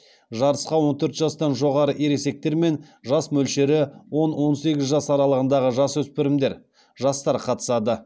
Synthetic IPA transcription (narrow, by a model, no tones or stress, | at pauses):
ʒɑɾəsqɑwo̞nt̪ʰɵɾt̪ʒɑst̪ɑnʒo̞ʁɑɾəʔeɾe̞se̞k̚t̪e̞ɾme̞nʒɑsmɵlʃe̞ɾɪwo̞nwo̞nse̞ɡʲɪzʒɑsɑɾɑlˠəʁənd̪ɑʁəʒɑswɵspɪɾɪmd̪e̞ɾ | ʒɑst̪ɑɾqʰɑt̪ə̥sɑd̪ə